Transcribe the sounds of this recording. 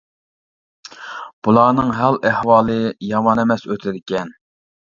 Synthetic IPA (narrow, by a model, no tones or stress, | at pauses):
b̥ulˠɑːnɨŋɦælʔæhwɑːlˠɨjɑmɑnɛmɛsøt̪ʰɪd̪ɪkʲɛn